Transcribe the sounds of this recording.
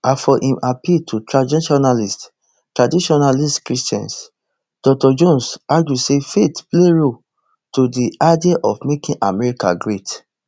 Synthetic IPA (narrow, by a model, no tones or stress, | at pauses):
afɔʔĩmʔapitʰutɹadiʃɔnalist | tɹadiʃɔnalistkɹistã̰ns | d̥ɔk̚tɔd͡ʒõnsaɡjusefetbleɹo | todiadiaʔɔfmekĩʔamɛɹika̰ɡɹet